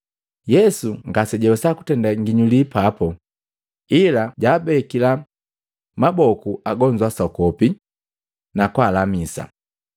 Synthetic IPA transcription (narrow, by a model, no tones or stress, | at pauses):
jɛsuŋɡasɛɟɛwɛsaku̥tɛndaŋɡiɲulipapɔ | ilaɟaːbɛkila | mabɔkuaɡɔɲd͡ʒwasɔkɔpi | nakwaːlamisa̰